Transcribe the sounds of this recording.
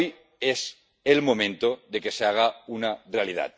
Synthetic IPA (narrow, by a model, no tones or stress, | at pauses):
j | es | e̞lmo̞mẽ̞nt̪oðe̞ke̞seaɣ̞aunare̞aliða̰t̪̚